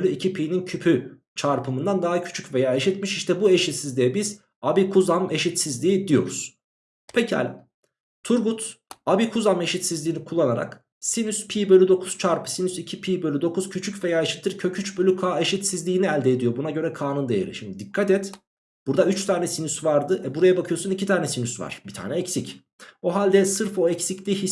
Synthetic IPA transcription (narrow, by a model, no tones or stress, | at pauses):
ølʲyicʰipʰiːnincʰypʰy | t͡ʃʰaɾpʰɯmɯnd̪and̪aɦacʰy̥t͡ʃʰycve̞jaːeʃit̪miʃiʃt̪ʰɛbue̞ʃit̪sizlʲijɛbiz̥ | abikʰuzame̞ʃit̪sizlʲiːid̪ijo̞̰ɾuz̥ | pʰecʰia̰l̰ʲ | t̪ʰuɾɡut̪abikʰuzame̞ʃit̪sizlʲiːnikʰulˠːanaɾa̰k | sinyspʰiːbølʲyd̪o̞kʰuz̥t͡ʃʰaɾpʰɯ̥sinysicʰipʰiːbølʲyd̪o̞kʰuz̥cʰyt͡ʃʰycve̞jaːeʃi̥t̪ʰːɯɾcʰø̞cʰyt͡ʃbølʲykʰaːeʃit̪sizlʲiːniælʲd̪ɛːd̪ijo̞bunaɟø̞ɾɛkʰaːnund̪ejḛɾḭʃimd̪id̪ikʰːat̪ɛt̪ | b̥uɾd̪ayt͡ʃt̪ʰaːnɛsinysvaɾd̪ɯɛbuɾajabakʰɯjo̞sunicʰit̪ʰaːɾnɛsinysva̰ɾ̥bit̪ʰa̰ːnɛɛcsic | o̞ɦalʲd̪ɛsɯɾfo̞ɛcsiclʲihi